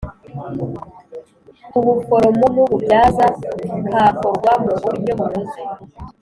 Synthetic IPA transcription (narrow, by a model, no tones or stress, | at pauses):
uβufo̞ɾomomuβubjaːzakaːkoɾɡwamuɡuɾɟomuze